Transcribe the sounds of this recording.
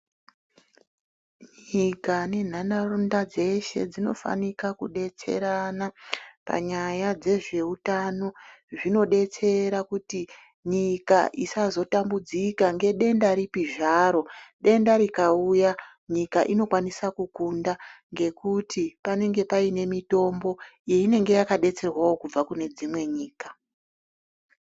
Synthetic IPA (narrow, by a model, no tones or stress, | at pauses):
ɲikane̞n̤anarundad͡ze̞ʃe̞̰d͡zino̞̰fa̰nikakuɗe̞t͡se̞̰ɾanapa̰ɲajad͡ze̞ʐe̞utano̞ʐino̞ɗe̞t͡se̞ɾakuti | ɲika̰ʔisazo̞tambud͡zikaŋɡe̞ɗe̞ndaɾipiʐaːɾo̞ɗe̞ndaɾikauja | ɲikaʔino̞kwanisakukundaŋɡe̞kutʰipane̞ŋɡe̞paine̞mito̞mbo̞jeine̞ŋɡe̞jakaɗe̞t͡se̞rwawo̞kub͡vakune̞d͡zimwe̞ɲiːkḁ